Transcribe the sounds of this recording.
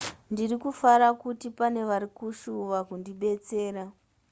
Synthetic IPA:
ndirikufaɾakutipane̞ʋaɾikuʃuʋakundiɓe̞t͡se̞ːɾa

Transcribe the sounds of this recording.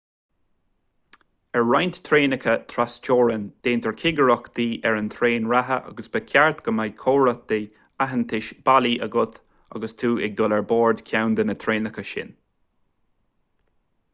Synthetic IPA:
ɛɹɹajnt̪t̪ʰɾeːnəkʰət̪ʰɾast͡ʃoːɹənd̪̥eːnt̪əɹkʰɪɡəɹɔkd̪iːʔɛɹənt̪ʰɾeːnɹaɦə̰ʔa̰ɡəsb̥əkʰʲaɹt̪ɡ̥əmajkʰoːɹət̪̚d̪e | aɦənt̪ʰɪʃb̥aliʔəɡʊt̪ | a̰ɡəst̪ʰuːʔɛɡ̚d̪ɔlɛɹboːɹd̪kʲʰawnd̪ənət̪ʰɾeːnəkəʃɪ̰n

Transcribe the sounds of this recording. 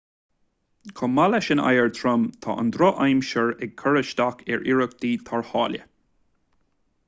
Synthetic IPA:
kʰɔmalɛʃəna̰jəɹt̪ʰɹamt̪ʰɑ̰ʔə̰nd̪ɾɔʔajmʃəɹɛɡ̚kʰəɹəʃd̪akʰɛɹʔiɹək̚d̪̥iːt̪ʰaɹhɑːlʲə̰

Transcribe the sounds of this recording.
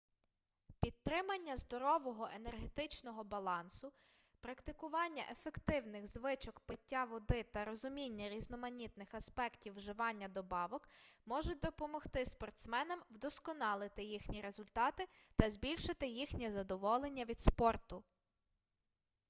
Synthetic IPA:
pʲit̪̚tːɾɪmɐnʲːɐzd̪ɔɾɔʋɔɦɔʔenerɦet̪ɪt͡ʃnɔɦɔbɐlˠɑnsʊ | pɾɐkt̪ɪkʊʋɑnʲːɐ̰ʔefekt̪ɪwnɪɣzʋɪt͡ʃɔkpɪtʲːaʋɔd̪ɪt̪ɐɾɔzʊmʲinʲːɐɾʲiznɔmɐnʲit̪nɪxɐspɛktʲiwːʒɪʋɑnʲːɐd̪ɔbɑʋɔkmɔʒɛd̪ɔpɔmɔxt̪ɪspɔrt̪smɛnɐmwd̪ɔskɔnɑlˠɪt̪ɪjixnʲiɾe̞zʊlʲt̪ɑt̪ɪt̪ɐzʲbʲilʲʃɪt̪ɪjixnʲizɐd̪ɔʋɔlˠenʲːɐʋʲid̪spɔrt̪ʊ

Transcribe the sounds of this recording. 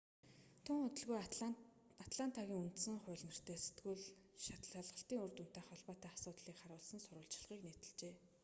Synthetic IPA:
t̪ʰʊŋʊt̪ɵ̆ɮɣuj | at̪ɮan̥t̪ʰaɣʲiːŋun̥t̪sə̆ŋχʊ̟ːɮnə̆r̥t̪ʰeːse̥t̪ɡuɮ | ʃat̪ɮaɮʁə̆ɬt̪iːŋɵrt̪un̥t̪eːχɔɮpɔːt̪æːasʊːt̪ɮiːkχaɾʊːɮsə̆nsʊɾʊːɮt͡ɕ̆ɮʁiːkneːt̪ɘ̆ɮt͡ɕeː

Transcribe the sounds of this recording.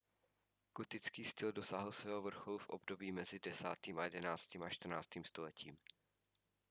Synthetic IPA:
kot̪ɪt͡skiːst̪ɪldosaɦl̩svɛːɦovr̩xolufʔo̞̰bdo̞biːmɛzɪdɛsa̰ːt̪iːmajɛdɛnaːt͡st̪iːmaʃt̪r̩na̰ːt͡st̪iːmst̪o̞lɛciːm

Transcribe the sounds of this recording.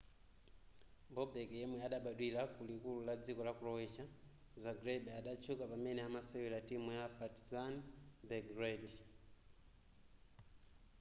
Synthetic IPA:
mbɔbɛkɛjɛmwɛaɗaɓaɗwilakulikululad͡zikɔlakulɔwɛt͡ʃa | zaɡɾɛbɛaɗat͡ʃʰukapamɛnɛamasɛwilatimujapatizanbɛɡrɛd

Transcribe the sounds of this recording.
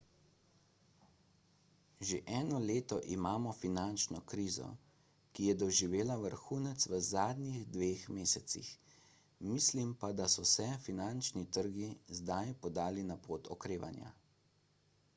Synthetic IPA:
ʒeʔɛːnɔleːt̪ɔʔimaːmɔfinant͡ʃnɔkɾiːzɔ̰ | kijɛd̪ɔʒiʋeːlaʋəɾxuːnɛt̪sʋəzaːd̪niɣd̪ʋeːxmeːsɛt̪sḭx | miːslimpad̪asɔsɛfinant͡ʃnit̪əɾɡizd̪ajpɔd̪aːlinapoːt̪ɔkɾeːʋa̰nja̰

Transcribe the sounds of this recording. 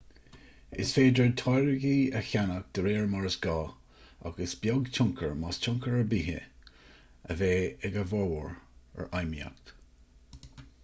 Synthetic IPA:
ɪsfeːd̪ɹət̪ʰɔjɹəɡiːəçanək̚d̪̥əɾeːɹmɔɹəsɡ̥ɑː | a̰ɡəsbjɔɡt͡ʃʰʊŋkʰəɹmast͡ʃʰʊŋkəɹəbiːɦə̰ | ə̰veːɛɡəvɔwəɹə̰ɹʔajmia̰kt̪

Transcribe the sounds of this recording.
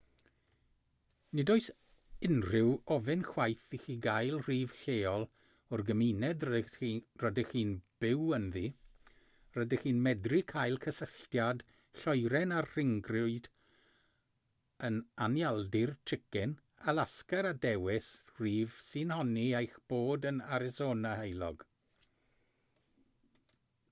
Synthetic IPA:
nɪdɔɨs | ɪnrɪwɔvɪnxwajθixiɡajlˠriːv̥ɬeːɔlˠ | ɔrɡəminɛd | rədɪχiːnb̥ɪwənðiː | rədɪχiːnmɛdrikʰajlˠkʰəsəɬtjad | ɬɔjɾɛnarr̥ɪŋɡrʊɨd̥ | ənanjalˠdɪrtʰɪkɪn | alaskaɾadɛwɪsriːvsinhɔniejxb̥oːdənaɾɪsoːnahejlˠɔ̰ɡ

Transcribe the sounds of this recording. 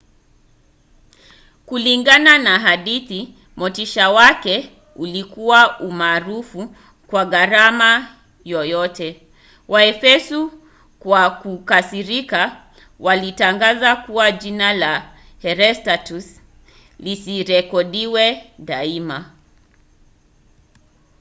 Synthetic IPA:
kuliŋɡananaɦaɗiθi | mɔtiʃawakɛ | ulikuwaumaːɾufu | kwaɣaɾama | jɔjɔtɛ | wʔaɛfɛsu | kwakukasiɾika | walitaŋɡazakuwaʄinala | hɛɾɛstatus | lisiɾɛkɔɗiwɛɗaima

